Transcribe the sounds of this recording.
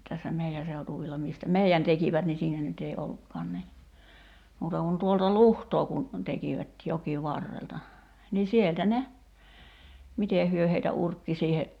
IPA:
tæsːæ meiæ seutuʋilːɑ miˑstæ meiæn tekiʋæt ni siːnæ nyt ei olːukːɑːn ni muːtɑ kun tuoltɑ luhtoː kun tekiʋæt jokiʋɑrːeltɑ niː sieltæ ne miteˑ hyø heitæ urkːi siːhe

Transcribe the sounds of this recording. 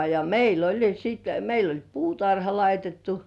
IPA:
jɑ meil olʲ siːt meil olʲ puːtɑrhɑ lɑitetːu

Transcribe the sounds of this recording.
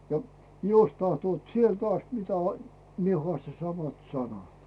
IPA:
jɑ jos tɑhtoːt sielt ɑst mitæ mie hŏɑstɑ sɑmɑt sɑnɑt

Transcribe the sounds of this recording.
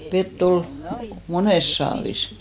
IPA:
ʋetː ol moneˑs sɑːʋis

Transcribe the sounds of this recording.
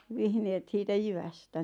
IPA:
ʋihneːt siːtæ jyʋæstæ

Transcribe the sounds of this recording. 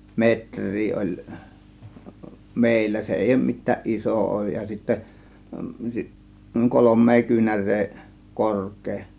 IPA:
metrˑiː olʲ meˑilːæ se eˑij oˑŭm mitˑæːʔ ʔisoˑ oˑŭj jɑ sitːæ kolomˑeː kyːnærˑeː korkˑeː

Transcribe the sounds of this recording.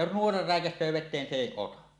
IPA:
jos nuorɑ ræˑekæsˑøː ʋetˑeːn se eˑi otɑ

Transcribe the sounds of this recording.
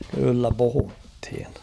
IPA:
kylːæ puhuthin

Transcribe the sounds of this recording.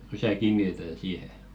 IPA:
rysæ kiːnːitetæn siːhe

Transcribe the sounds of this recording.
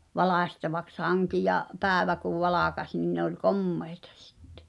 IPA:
ʋɑlɑˑsʲtɑʋɑks hɑŋki jɑ pæːĕʋæ kuʋ ʋɑlɑˑkɑsʲ nin ne olʲ komːei̥tɑ̥ si̥tːe̥

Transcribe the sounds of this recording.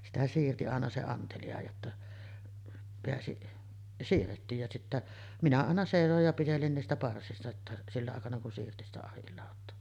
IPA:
sitæ siːrti ɑˑenɑ se ɑntelijɑ jotːɑ peæsi siːrːetːiːj jɑ sitːæ minæ ɑˑenɑ seˑisoj jɑ pitelin niːstæ pɑrsistɑ tːɑ silːɑ ɑˑekɑnɑ kun siːrti sitæ ɑhilːɑˑotˑoː

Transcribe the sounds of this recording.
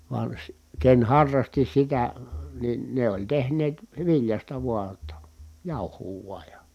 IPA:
ʋɑn̞ si ken hɑrːɑsti sitæ nin ne olʲ tehneːt ʋiljɑstɑ ʋuɑ tːɑ jɑˑu̞huː ʋuɑj jɑ

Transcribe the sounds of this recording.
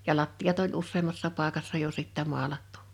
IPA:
jɑ lɑtːij̆ɑt olʲ usːeːmːɑsːɑˑ pɑˑĕkɑsːɑ jo sitːæ moɑlɑtːu̥

